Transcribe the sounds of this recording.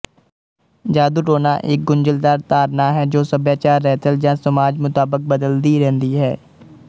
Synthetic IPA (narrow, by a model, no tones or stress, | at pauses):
d͡ʒaːd̪uʈoːnaʔeːk̚ɡʊ̃nd͡ʒəld̪aːɾt̪aːɾnaːɦɛd͡ʒoːsəbjaːt͡ʃaːɾːɛːt̪əld͡ʒãːsəmaːd͡ʒmʊt̪aːbək̚bəd̪əld̪iɾɛ̃ɦnd̪iɦɛː